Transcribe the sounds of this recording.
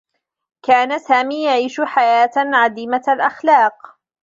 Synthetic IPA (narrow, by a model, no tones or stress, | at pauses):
kaːnasaːmiːjaʕiːʃʊħajaːt̪ʕad̪iːmalʔaxlɑːq